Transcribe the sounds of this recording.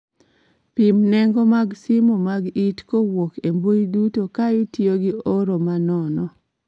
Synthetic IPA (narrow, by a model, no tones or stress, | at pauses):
pimnɛŋɡomaɡsimomaɡitkowokembojidutokaɪtjoɡɪoɾomanɔnɔ